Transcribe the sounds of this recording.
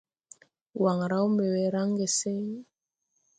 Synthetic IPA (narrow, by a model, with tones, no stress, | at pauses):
wa˨ŋ˨ɾa˦u˦mbɛ˨wɛ˨ɾa˦ŋ˦ɡe˨se˦ŋ˦